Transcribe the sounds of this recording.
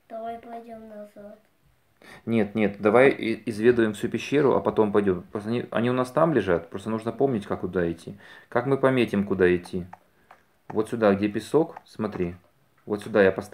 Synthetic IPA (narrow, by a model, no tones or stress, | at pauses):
d̪̥ɐvajplˠɐdʲomnɐzt̪ | nʲet̪nʲe̞t̪d̪ɐvajɪɪzvʲe̞d̪ʊjɪmfsʲupʲɪɕːeɾʊʔɐ̰pɐt̪o̞mpɐjdʲo̞mpɾost̪ɐnʲiʔɐ̰nʲiʊnast̪amlʲɪʐat̪̚pɾo̞st̪ənuʐnəpo̞mnʲɪtʲkakːʊd̪aɪtʲʰːikakmɨpɐmʲetʲɪmkʊd̪aɪtʲːi | vo̞t̪sʲʊd̪aɡdʲepʲɪso̞ksmɐt̪ɾʲi | vo̞t̪sʲʊd̪ajapɐst̪